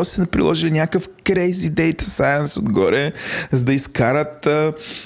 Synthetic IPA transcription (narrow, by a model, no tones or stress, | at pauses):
sɛnɐpɾḭlˠɔʒilinʲakəfkɾɛjzid̪ɛjt̪ɐ̥sajənsod̪ɡɔɾɛzɐd̪ɐiskaɾət̪